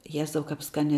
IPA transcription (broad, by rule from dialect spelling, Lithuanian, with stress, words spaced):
ˈjæːzɐʊ ˈkɐp ˈskɑːnʲɛ